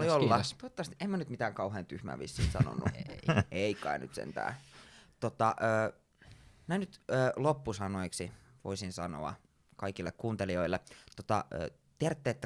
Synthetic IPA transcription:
oliolːɑt̪ot̪ːɑst̪iʔemːænyt̪mit̪æːŋkɑuɦeːnt̪yhmæ̰ːʋḭsːḭːnsɑ̰no̰nːuʔeikːɑ̰iny̰t̪sḛnt̪æ̰ːt̪ot̪ɑʔøː | nænyt̪øːlopːusɑnoiksi | ʋo̰isinsɑno̰ɑ̰ | kɑikilːekkːuːnt̪elioilːet̪ot̪ɑ̰ø̰ː | t̪ert̪ːeːt̪ːæ

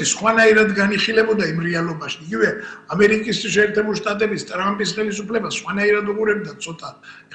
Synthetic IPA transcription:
isχwanaiɾad̪ɡaniχilɛbɔd̪aimɾɛalˠɔbaʃiiɡivɛamɛɾikʼisʃɛːɾt̪ʰɛbuliʃt̪ʼat̪ʼɛbist̪ʼɾampʼisχɛlis̬upʰlɛbasχwanaiɾad̪uʁuɾɛbd̪at̪sʰɔt̪ʼa

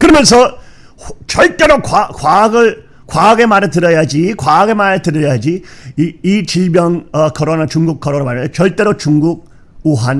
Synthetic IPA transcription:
kɯɾʌmjʌns̬ʰʌ | t͡ɕʌɭt͈e̞ɾokwakwaɡɯɭ | kwaaɡe̞maɾɯɭtɯɾʌjad͡ʑikwaaɡe̞maɾɯtɯɾʌjad͡ʑiː | t͡ɕiʎbjʌnʌkʰʌɾonat͡ɕuŋɡukʰʌɾonamaɾt͡ɕʌɭt͈e̞ɾot͡ɕuŋɡuɡ̚ | uɦan

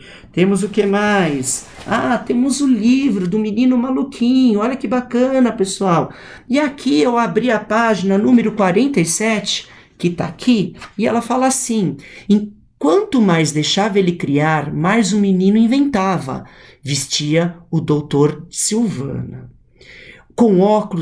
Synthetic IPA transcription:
t̪ẽmʊzʊkemajs | at̪ẽmʊzʊlivɾʊd̪ʊ̃minĩnʊmalukʰĩɲʊɔʎɐkɪbakɐ̃nɐpesuaw | iakʰiewabɾiɐpaʒinɐnũmeɾʊkwaɾẽnt̪ejsɛt͡ʃɪ̥ | kɪt̪a̰kʰiɪɛ̰lɐfalɐasĩẽ | kwɐ̃nt̪ʊmajzd̪ejʃavɐelɪkɾiaɾmajzũminĩnʊĩvẽnt̪avɐ̰vist͡ʃiɐʊd̪owt̪oɾsiwvɐ̰̃nɐ̰ | kõɔkʊlʊ

